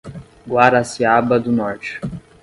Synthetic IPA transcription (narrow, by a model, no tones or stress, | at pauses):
ɡwaɾasiabɐd̪ʊnɔɾt͡ʃɪ̥